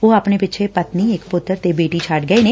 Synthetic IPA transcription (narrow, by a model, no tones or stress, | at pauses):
oːaːpnepɪːt͡ʃʰepət̪niɪkpʊt̪ːəɾt̪ebeːʈit͡ʃʰaːʈɡəeneː